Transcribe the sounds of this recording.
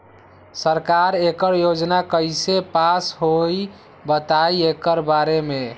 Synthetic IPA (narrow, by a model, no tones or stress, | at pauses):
səɾkaɾekəɾjod͡ʒnakəjsepasɦoj | bət̪ajekəɾbaɾeme